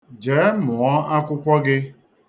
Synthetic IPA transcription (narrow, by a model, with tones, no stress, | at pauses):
d͡ʒe˨˦mʊ˨ɔ˦a˦kʷʊ˦kʷɔ˦ɡɪ˦